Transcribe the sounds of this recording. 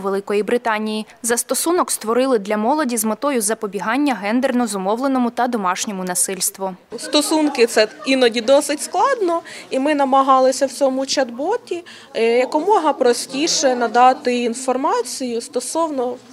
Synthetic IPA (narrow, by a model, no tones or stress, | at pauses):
ʋelˠɪkɔjibɾɪt̪ɑnʲiji | zɐst̪ɔsunɔkst̪ʋɔɾɪlˠɪd̪lʲɐmɔlˠɔdʲizmet̪ɔjʊzɐpɔbʲiɦɑnʲːɐɦɛnd̪ernɔzʊmɔwlˠenɔmʊt̪ɐd̪ɔmɑʃnʲɔmʊnɐsɪlʲst̪ʋʊst̪ɔsunkɪt̪sɛinɔdʲid̪ɔsɪtʲsklˠɑd̪nɔimɪnɐmɐɦɑlˠɪsʲɐwt͡sʲɔmʊt͡ʃɐd̪bɔtʲi | jɐkɔmɔɦɐpɾɔsʲtʲiʃɛnɐd̪ɑt̪ɪinfɔrmɑt͡sʲijʊst̪ɔsɔwnɔ